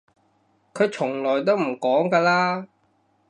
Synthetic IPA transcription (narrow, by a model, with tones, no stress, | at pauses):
kʰɵ˨˧ɥt͡ʃʰʊ˨˩ŋlɔː˨˩jt̪̬o˥wm̩˨˩kɔː˨˥ŋkaː˧laː˥